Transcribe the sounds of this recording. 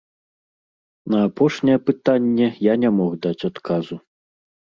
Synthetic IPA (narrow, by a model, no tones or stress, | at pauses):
nɐːpɔʂnʲɛjɛpɨt̪anʲːɛjanʲamɔɣd̪at͡sʲat̪kʰazu